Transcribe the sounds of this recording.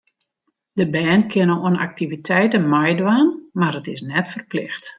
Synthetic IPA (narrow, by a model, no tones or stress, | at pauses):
d̥əbɛːnkʰɪnəoəna̰k̚tivitʰɛjtənmajdwaːnmarətɪsnɛtfərplɪxt